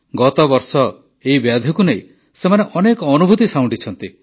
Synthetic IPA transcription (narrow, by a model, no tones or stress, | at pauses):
ɡɔt̪ɔbɔɾsɔ | eibjad̪ʱjɔkunej | semaneʔɔnekɔːnubʱut̪isaw̃ɳɖit͡ʃʰɔnt̪i